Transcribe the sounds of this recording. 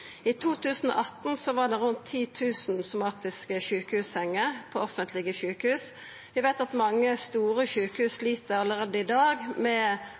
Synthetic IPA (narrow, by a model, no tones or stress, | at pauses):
iːt̪ʰuːt̪ʉːsno̰ʔɑt̪n̩sɔʋɑɖ̪ɛʁʉnt̪ʰːiːt̪ʰʉːsn̩sʊmɑːt̪ɪskəçʉːkəhʉːshɛŋːəʁpʰoːɔfənt̪ʰlɪɡəçʉːkəhʉːs | ʋɪʋæɪt̪ɑt̪mɑŋːəst̪uːɾəçʉːkəhʉːsliːt̪əɾɑlːəʁeːd̪əɪd̪ɑːɡmɛ